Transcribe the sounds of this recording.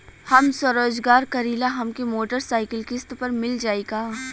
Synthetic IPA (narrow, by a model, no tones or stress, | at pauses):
hɐmswɐɾoːd͡ʒɡaːɾkɐɾiːlaɦɐmkemoːʈəɾsaːɪkəlkɪst̪pɐɾmɪld͡ʒaːeɡaː